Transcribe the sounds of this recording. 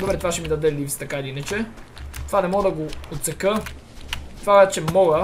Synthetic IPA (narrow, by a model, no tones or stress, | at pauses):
d̪obɾɛt̪vaʃɛmid̪ɐd̪ɛlivst̪ɐkailiinət͡ʃɛt̪ovanɛmɔɡəd̪ɐɡoːt̪sɛkə | t̪vaɛt͡ʃɛmɔɡə